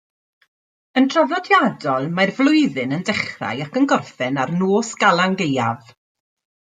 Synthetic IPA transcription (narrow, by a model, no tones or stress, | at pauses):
əntʰrɔvnɔdjadɔlˠmajrvlˠʊɨðɨnəndɛχra̰jakənɡɔrfɛnarnoːsɡ̥alˠaŋɡeja̰v